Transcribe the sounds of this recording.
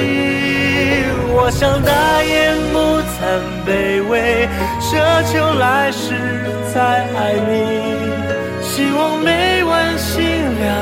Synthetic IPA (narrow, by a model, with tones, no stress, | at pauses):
wɔ˨˩ɕjɑ˥˧ŋt̪a˥˧jɛ˧˥mu˧t͡sʰa˧˩n | pe˨˩ɪwe˧ɪ | ʂɤ˧˥t͡ɕʰjo˧ʊla˧˦ɪʂɻ̩˧˥ | t͡sʰa˧ɪa˧˩ɪni˧ | ɕi˧˥wɑ˧ŋme˧˥ɪwa˧˥nɕi˥ŋna˧˩